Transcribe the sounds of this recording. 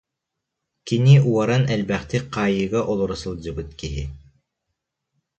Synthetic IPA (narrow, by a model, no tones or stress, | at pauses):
kiniuaɾanɛlbæχt̪iqʰɑːjɯɡaʔɔlˠɔɾasɯlˠd͡ʑɯbɯt̪kiɦḭ